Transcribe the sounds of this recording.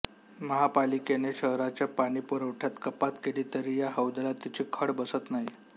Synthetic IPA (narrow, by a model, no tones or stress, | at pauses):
məɦapalikeneɕəɦɾat͡ɕjapaɽ̃iːpəɾəwʈʰjat̪kəpat̪keliːt̪əɾiːjaɦəwd̪əlat̪ːit͡ɕiːkʰəɽbəsət̪naɦi